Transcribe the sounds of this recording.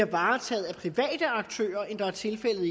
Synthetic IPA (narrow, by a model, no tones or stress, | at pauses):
ɐʋɑ̈ːt͡sʰɛ̰ːð̞̩ˠæpʰʁiʋɛ̰ːd̥əɑ̈ɡ̥̚t͡sʰø̰ːɐend̥ɑ̈æɐt͡sʰe̝lfel̰ð̩ˠi